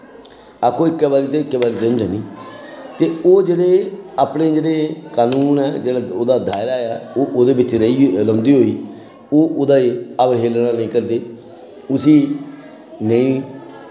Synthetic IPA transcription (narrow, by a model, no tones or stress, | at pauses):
aːkʰõːɪkːɛːbaːɾiːt̪eɪkːɛːbaːɾiːd̪eʊnd̪eːnĩːt̪eːoːd͡ʒeːɽeːaːpneːd͡ʒeːɽeːkaːnuːnɛːd͡ʒeːɽaːoːd̪aːd̪aːɪɾaːɛːoːʔoːd̪eːbɪt͡ʃɾəiɾəmd̪iːɦoːiː | oːʔoːd̪aːeəbɦeːlnãːnɪ̃ĩːkəɾd̪eː | ʊsiː | nəĩː